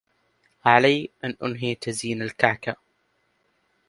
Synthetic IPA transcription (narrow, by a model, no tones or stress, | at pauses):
ʕalajʔanʔʊnɦiːt̪aziːnalkaʕka